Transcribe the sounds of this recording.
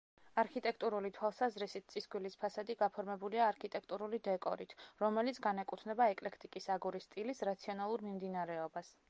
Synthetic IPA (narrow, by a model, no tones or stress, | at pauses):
aɾkʰit̪ʼɛkʰt̪ʼuɾulit̪ʰwalˠsazɾisit̪̚t̪sʼisɡwilispʰasad̪iɡapʰɔɾmɛbuliaːɾkʰit̪ʼɛkʰt̪ʼuɾulid̪ɛkʼɔ̰ɾit̪ʰɾɔmɛlit̪sʰɡanɛkʼut̪ʰnɛbaɛkʼlɛkʰt̪ʼikʼisaɡuɾist̪ʼilisɾat̪sʰiɔnalˠuɾmimd̪inaɾɛɔbas